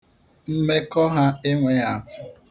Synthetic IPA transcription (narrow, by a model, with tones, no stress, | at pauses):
m̩˦me˦kɔ˦ɦa˦ɪ˦ŋʷe˨a˨tʊ̥˦